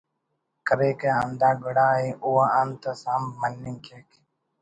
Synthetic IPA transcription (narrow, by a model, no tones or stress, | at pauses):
kəɾeːkaːənd̪aːɡəɽaːɦeːʔuːaːənt̪əsãːmmənːɪŋkʰeːk